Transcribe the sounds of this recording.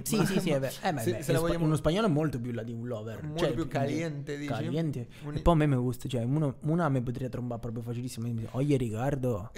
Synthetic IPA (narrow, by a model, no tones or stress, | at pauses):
sisisiɛvɛɛmɛɛsunospaɲːɔːloɛmolt̪op̬julːad̪iunlɔːvermt͡ʃɛpukaljɛnt̪ed̪ikːaljɛnt̪e | epːɔjamːemːeɡust̪at͡ʃoɛmunomuːnaːmːep̬ːot̪ɾiat̪ɾombaɾpːɾɔpɾjofat͡ʃilisːimamɔjːeɾikard̪o